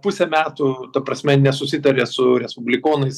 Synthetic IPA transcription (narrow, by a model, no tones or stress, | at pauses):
pʊsʲɛmʲæːt̪ʊt̪ɐpɾɐsʲmʲɛnʲɛsʊsʲɪt̪ɐɾʲeːsʊɾʲɛspʊbʲlʲɪkoːnɐɪs